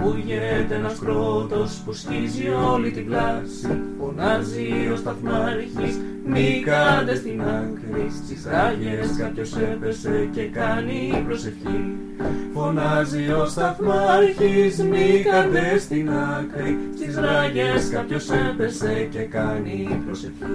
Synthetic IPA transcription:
puʝent̪enɐskɾo̞t̪o̞spuscizio̞lit̪iblɐsifo̞nɐzio̞st̪ɐθmɐɾçis | nikɐd̪e̞st̪inɐŋkɾist̪izɾɐʝe̞skɐpço̞se̞pe̞se̞ce̞kɐniːpɾo̞se̞fçi | fo̞nɐzio̞st̪ɐθmɐɾçismikɐd̪e̞st̪inɐŋkɾist̪izɾɐʝe̞skɐpço̞se̞pese̞ce̞kɐniːpɾosefçi

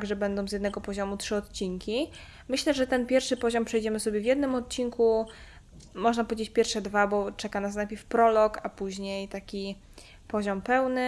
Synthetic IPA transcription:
t̪aɡʐɛbɛnd̪ɔ̃w̃zjɛd̪nɛɡɔpɔʑɔmutʂɘɔt̪t͡ɕiŋkʲi | mɘɕlɛʐɛt̪ɛnpʲjɛɾfʂɘpɔʑɔmpʂɛjd͡ʑɛmɘsɔbʲjɛvʲjɛd̪nɘmɔt̪̚t͡ɕinku | mɔʐnapɔvʲjed͡ʑet͡ɕpʲjɛɾfʂɛd̪vabɔt͡ʂɛkanasnajpʲjɛɾfpɾɔlɔkapuʑɲejt̪akʲi | pɔʑɔmpɛwnɘ

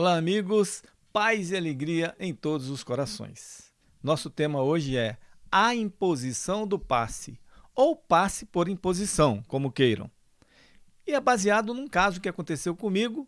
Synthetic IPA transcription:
ɔlaːmiɡʊs | pajzɪaleɡɾiɐʔẽj̃t̪od̪ʊzʊskoɾasõ̰j̃s | nɔsʊt̪ẽmɐoʒɪɛɐĩpozisɐ̃w̃d̪ʊpa̰sɪowpasɪpoɾĩpozisɐ̃w̃kõmʊkejɾɐ̰̃w̃ | ɪɛbaziad̪ʊnũkazʊkɪakõnt̪esewkõmiɡʊ

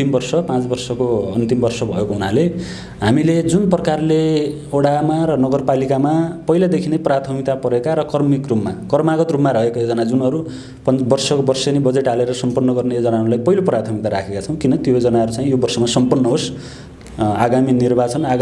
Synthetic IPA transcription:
timbʌrsʌpãt͡sbʌrsʌkoʌnt̪imbʌrsʌbʱʌekoɦunale | ɦamiled͡zunprʌkarle | oɽamaɾʌnʌɡʌrpalikamapʌijlad̪ekʰineprat̪ʰʌmit̪apʌɾekaɾʌkʌrmikrupmakʌrmaɡʌt̪rupmaɾʌɦekojod͡zʌnad͡zunʌɾu | pʌnbʌrsʌkobʌrsʌnibʌd͡zeʈaleɾʌsʌmpʌnːʌɡʌrnejod͡zʌnaɦʌɾulajpʌɦiloprat̪ʰʌmikt̪aɾakʰekat͡sʰʌ̃w̃kinʌt̪jod͡zʌnaɦʌɾut͡saĩjobʌrsʌmasʌmpʌnːʌɦos | aɡaminirbat͡sʌnaɡ

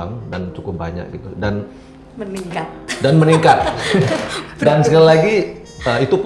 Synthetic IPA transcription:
aŋdant͡ʃukʊp̚ba̰ɲa̰k̚ɡit̪udan | niadanməniŋkat̪̚ | dansəkalilaɡi | əit̪up

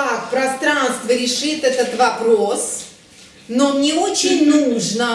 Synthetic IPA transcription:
ak̚pɾɐst̪ɾanst̪vəɾʲɪʂɨt̪ɛt̪ət̪vɐpɾos | nonʲɪot͡ɕɪnʲnuʐnə

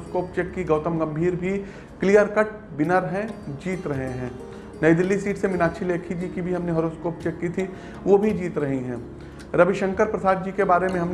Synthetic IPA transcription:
skoːp̚t͡ʃɛːkːiɡɐːt̪əmɡɐ̃mbʱiːɾbʱi | klijəɾkəʈ̚ | bɪnəɾɦɛ̃d͡ʒiːt̪ɾɐɦẽɦɛ̃ː | nɐjd̪ɪlːisiːʈsemɪnaːt͡ʃʰileːkʰid͡ʒikibʱiɦɐmneɦɐɾoːskoːpt͡ʃɛːkːit̪ʰi | ʋobʱid͡ʒiːt̪ɾɐɦiɦɛ̰̃ː | ɾɐbɪʃə̃ŋkəɾpɾɐsaːd̪̚d͡ʒiːkebaːɾemẽɦɐmn

